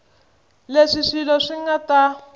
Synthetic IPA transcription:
leʂiʂilɔʂiŋɡata

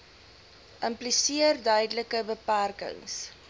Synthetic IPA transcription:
ʔəmplisiərdœɥdələkəbəpærkə̰ŋs

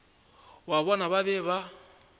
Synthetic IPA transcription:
waβɔnaβaβɛβa

